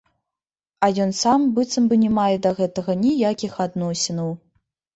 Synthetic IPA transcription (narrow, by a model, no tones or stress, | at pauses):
ɐjɔnsambɨt̪sɐmbɨnʲɛmajɛd̪ɐɣɛt̪ɐɣɐnʲijakʲixad̪nɔsʲɪnɐw